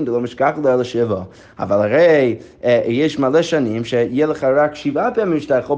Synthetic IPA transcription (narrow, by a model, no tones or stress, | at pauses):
nd̪əlomɪʃkaχlˠəɛlˠəʃɪvə | a̰valˠhaɾej | jɛʃmalɛʃanimʃɛjɛlˠəχaɾakʃivapɛmimʃtaχo